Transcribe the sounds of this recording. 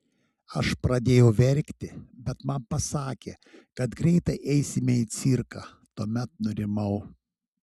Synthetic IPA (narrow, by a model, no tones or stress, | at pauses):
ɐʃpɾɐd̪ʲeːjɛʊʋʲɛɾʲkt̪ʲɪbʲɛt̪mɐnpɐsɑːkʲeː | kɐt̪ɡɾʲɛɪt̪ɐɪʔɛɪsʲɪmʲɛiːt̪sʲiɾkɑː | t̪uɔmʲɛt̪̚nʊɾʲɪmɐʊ